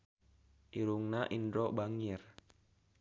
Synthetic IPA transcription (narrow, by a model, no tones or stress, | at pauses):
ʔiɾuŋnaʔindɾɔbaŋir